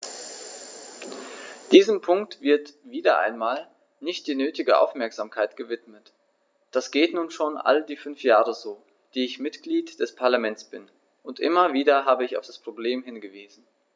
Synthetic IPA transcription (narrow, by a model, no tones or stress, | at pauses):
d̥iːzəmpʰʊŋktv̥ɪɐtv̥iːdɐʔa̰ɪnmaːl | nɪçt̚d̥iːnøːtɪɡəʔa̰ʊfmɛɐkz̥aːmkʰaɪtɡ̥əvɪtmət | d̥asɡ̥eːtnuːnʃoːnʔa̰ldiːfʏnfjaːʁəzoː | d̥iːɪçmɪtɡ̥liːtd̥ɛspʰaɐlamɛnt͡sb̥ɪn | ʔʊntʔɪ̰mɐviːdɐɦaːbəɪça̰ʊfd̥aspʁ̥obleːmɦɪnɡəviːzn̩